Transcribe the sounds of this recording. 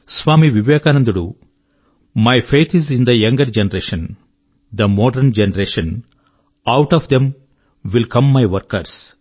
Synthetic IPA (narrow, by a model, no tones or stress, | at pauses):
sʋaːmiʋiʋjeːkaːnɐ̃nd̪uɽu | majfʰeːt̪ʰizĩnd̪ɐjɐ̃ŋɡɐɾd͡ʒenɐɾeːʃɐ̃n | d̪ɐmɔːɖɐɾnd͡ʒenɐɾeːʃɐ̃n | awʈɔʋd̪ẽm | ʋilkɐ̃mːajʋɐɾkɐɾs